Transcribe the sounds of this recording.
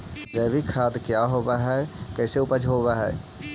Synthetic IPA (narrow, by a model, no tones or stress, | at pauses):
d͡ʒɛːbikʰaːd̪kjaɦoːbaɦɛkɛːseʊpəd͡ʒɦoːbaɦɛː